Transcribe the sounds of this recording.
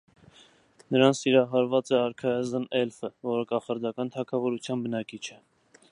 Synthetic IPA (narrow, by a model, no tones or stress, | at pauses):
nəɾɑnt͡sʰiɾɑɦɑɾvɑt͡sɛɑɾkʰɑɛzənɛlfəvɔɾəkɑχɑɾd̪ɑkɑnt̪ʰɑkʰɑvɔɾut͡sʰjɑnbənɑkit͡ʃʰɛ